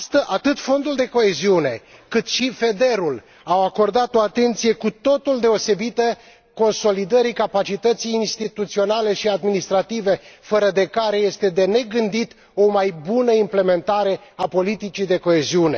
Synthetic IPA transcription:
st̪əʔat̪ɨt̪fo̞nd̪uld̪e̞ko̞e̞ziune̞kɨt̪ʃife̞d̪e̞ɾul | awako̞rd̪at̪o̞at̪e̞nt̪sije̞kut̪o̞t̪uld̪e̞o̞se̞bit̪ə | ko̞nso̞lid̪əɾikapat͡ʃit̪ət̪sijːnst̪it̪ut̪sio̞nale̞ʃiad̪minist̪ɾat̪ive̞fəɾəd̪e̞kaɾe̞je̞st̪e̞d̪e̞ne̞ɡɨnd̪it̪ | o̞majbunəimple̞me̞nt̪aɾe̞apo̞lit̪it͡ʃid̪e̞ko̞e̞ziune̞̰

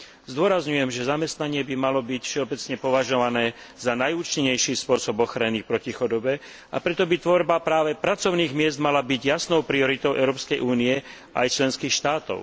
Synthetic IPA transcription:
zd̪ʊɔɾazɲujɛmʒɛzamɛst̪naɲɪɛbimalɔbicfʃɛɔbɛt͡sɲɛpɔʋaʒɔʋanɛː | zanajuːt͡ʃiɲɛjʃiːspʊɔsɔbɔxɾanipɾɔcixɔd̪ɔbɛ | a̰pɾɛt̪ɔbit̪ʋɔɾbapɾaːʋɛpɾat͡sɔʊniːɣmɪɛzd̪malabiɟjasnɔʊpɾiɔɾit̪ɔʊʔɛʊɾɔːpskɛjʔuːniɛ | ʔa̰jt͡ʃlɛnskiːxʃt̪aːt̪ɔ̰ʊ

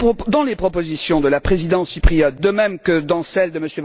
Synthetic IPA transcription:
d̪ɑ̃lepχɔpozisjɔ̃d̪əlapχezid̪ɑ̃sipχijɔt̪̚d̪əmɛmkəd̪ɑ̃sɛld̪əməsjøv

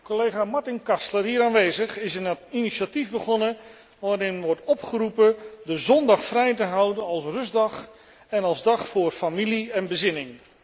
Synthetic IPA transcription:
kolejχaːmɑɹtɪnkɑstlərɦiːɾaːnʋejzəχɪsəntiniʃativbəχɔnə | ʋaːɾɪnʋɔɹtɔpχəɾupədəzɔndɑχfrɛjtəɦʌwdənɑlˠsrɵzdɑχ | ɛnɑlˠzdɑχfʊːrfamiliɛnbəzɪnɪŋ

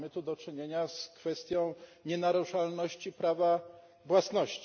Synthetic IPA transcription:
mɘt̪ud̪ɔt͡ʂɘɲeɲaskfɛst̪ʲjɔ̃w̃ɲɛnaɾuʂalnɔɕt͡ɕipɾava | vwasnɔɕt͡ɕ

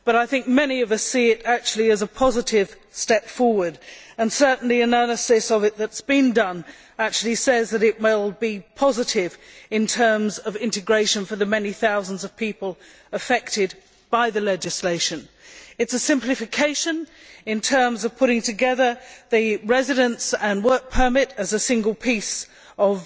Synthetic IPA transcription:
b̥ʌɾaɪθɪ̃ŋk̚mɛniʌvʌsiɪɾæk̚t͡ʃʉl̩ˠiɨzəpʰɑzɨɾɪv̥ | stɛpfɔɹwə˞də̃nsɜ˞ʔn̩liɨnɜ˞nɨsɨsʌvɨt̪̚ðɨtsb̥ɨ̃ndʌ̃n | æk̚t͡ʃʉl̩ˠisɛzðɨɾɨt̚meɪlˠbipʰɑzɨɾɪvɨ̃ntʰɜ̃˞mzʌvɪ̃ntɨɡɹeɪʃɨ̃nfə˞ðɨmɛniθaʊzə̃n̩zʌv̥pʰipəlˠ | əfɛk̚tɨd̚ | b̥aɪðɨlɛd͡ʒɨsleɪʃɨ̃nɨtsɨsɪ̃mplɨfɨkʰeɪʃɨ̃n | ɨ̃ntʰɜ̃˞mzʌv̥pʰʊɾɪ̃ŋtʰɨɡɛðə˞ðɨɹɛzɨɾɨ̃nsə̃nwɜ˞k̚pʰə˞mɪɾɨzɨsɪ̃ŋɡəlˠpʰis | ʌv

